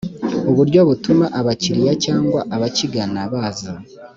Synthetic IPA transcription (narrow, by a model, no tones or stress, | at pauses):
oβuɾɟo̞βutumaʔaβaciɾijacaːŋɡwaʔaβaciɡanaβaːza